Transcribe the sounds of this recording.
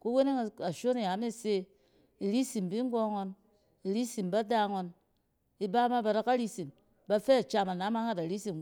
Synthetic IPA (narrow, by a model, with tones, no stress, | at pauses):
ku˦we˦ne˦ŋ˨a˨ʃo˦ni˨ja˨˦me˦˨se˦ | i˨ɾi˦si˨mbi˦ŋ˦ɡo˦ŋo˧n | i˨ɾi˦si˨mba˦da˦ŋo˧n | i˨ba˦ma˦ba˧da˧ka˦ɾi˦si˨m | ba˧fɛ˦˨t͡ʃa˧ma˨na˨˦ma˦ŋa˦da˨ɾi˦si˨m